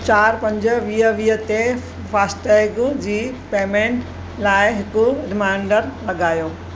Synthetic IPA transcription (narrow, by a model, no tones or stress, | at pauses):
t͡ɕaːɾpɐ̃ɲd͡ʑə̆ʋiːɦəʋiːɦət̪e | faːsʈeɡd͡ʑiːpeːmẽːɳʈ | laːɪɦɪkʊɾɪmaɪɳɖəɾlɐɠaːjoː